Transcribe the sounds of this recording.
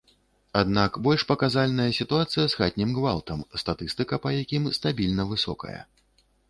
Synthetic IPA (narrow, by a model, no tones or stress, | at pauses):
ad̪nakbɔlʲʂpɐkazalʲnɐjɐsʲit̪uat̪sɨjɐzxat̪̚ʲnʲimɣvalˠt̪ɐmst̪at̪ɨst̪ɨkɐpɐjakʲimst̪abʲilʲnɐvɨsɔ̰kɐ̰jɐ̰